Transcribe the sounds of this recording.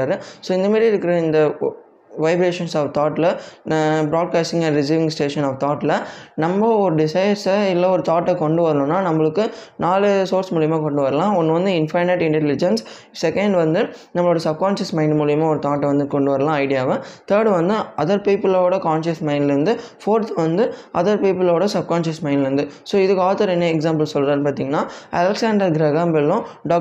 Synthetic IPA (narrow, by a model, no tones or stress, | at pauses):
aːɾɯsoːɪnd̪ɐmaːd̪ɾiɪɾɯkːɾɐɪnd̪ɐ | ʋɐɪbɾeːʂɐnsaːʋt̪aːʈlɐ | bɾaːɖ̚kaːsʈɪ̃ŋɡɐ̃ɳɖɾɪsiːʋɪ̃ŋsʈeːʂɐnaːʋt̪ɔːʈlɐnɐmːɐɔɾɯɖɪsɐjɐɾsɪlːɐɔɾɯt̪aːʈːɐkɔɳɖɯʋɐɾɐɳʊ̃ːnːaːnɐmːɐɭɯkːɯnaːlɯsoːɾsmuːɭɪjɐmaːkɔɳɖɯʋɐɾɐlãːɔnːɯʋɐnd̪ɯɪnfɐɾneʈɪɳʈɛlɪd͡ʒɐns | sɛkɐɳɖʋɐnd̪ɯnɐmːɐɭoːɽɐsɐb̚kaːnʃɐsmɐ̃ɪ̃ɳɖmuːɭɪjɐmaːɔɾɯt̪aːʈːɛʋɐnd̪ɯkɔɳɖɯʋɐɾɐlãːɐɪɽɪjaːʋɐ̃t̪ɐːɽʋɐnd̪ɯɐðɐɾpiːpɐloːɽɐkaːnʃɐsmɐɪnɖɪɾɯnd̪ɯfoːɾt̪ːʋɐnd̪ɯʔɐðɐɾpiːpɐloːɽɐsɐb̚kaːnʃɐsmɐ̃ɪ̃nɖɪɾɯnd̪ɯsoːɪðɯkːaːt̪ʰɐɾɛnːeɛksaːmpɐlsɔlɾaːɾnpaːɾt̪iːŋɡɐnːaːɐlɛksaːɳɖɐɾɡɾɐɣaːmbɛlːʊ̃ɖaː